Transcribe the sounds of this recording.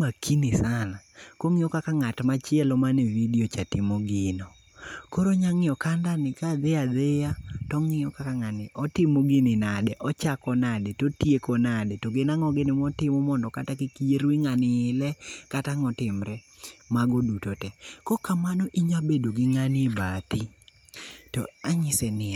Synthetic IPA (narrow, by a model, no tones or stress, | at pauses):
makʰinɪsanakoŋɪjɔkakaŋatmat͡ʃɪɛlɔmanɛvidiot͡ʃatɪmoɡɪno | koɾoɲaŋɪɔkandanɪkad̪ead̪ejatɔŋɪɔkakaŋanɪʔɔtɪmoɡɪnɪnadɛʔɔt͡ʃakɔnadɛtotjekɔnadɛtoɡenaŋɔɡɪnɪmɔtɪmɔmɔndɔkatakikieɾwiŋanɪːlɛkataŋɔtɪmɾɛ | maɡodutotɛkɔkamanɔʔiɲabedoɡɪŋanebat̪i | tɔ̰aɲɪsɛnɪa